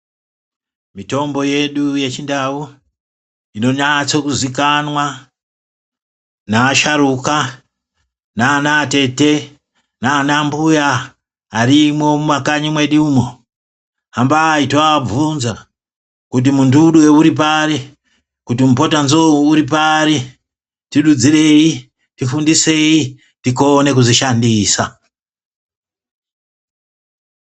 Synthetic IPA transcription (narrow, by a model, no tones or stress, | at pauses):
mito̞mbo̞je̞ɗuje̞t͡ʃindau | ino̞ɲat͡sokuzikanwa | naːʃaɾuka | naːnaːte̞te̞ | naːnambujaː | ɾimo̞mumwakaɲimwe̞ɗiumo̞ | ɦambaitab͡vunza | kut̬imunduɗuweuɾip̬aɾi | kutimupo̞tanzouuɾip̬aɾi | tiɗud͡zire̞i | tifundise̞i | tiko̞ne̞kuziʃandiːsa